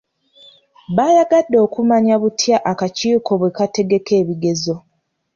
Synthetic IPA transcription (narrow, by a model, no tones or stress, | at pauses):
βaːjaɡadːo̞ːkumaɲaβutʰjaʔakaciːkʰo̞βwe̞kate̞ɡe̞ke̞ːβiɡe̞zo̞